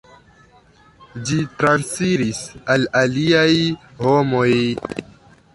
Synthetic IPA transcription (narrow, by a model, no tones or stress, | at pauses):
d͡ʒitɾansfiɾisalaliajhomoj